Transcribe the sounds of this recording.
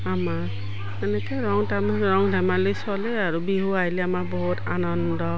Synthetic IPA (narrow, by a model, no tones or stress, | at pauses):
ama | ɛnɛkɔɾɔŋtamaɹɔŋdʱamalejsɔlɛaɹubiɦuajlɛamabɔɦutanɔndɔ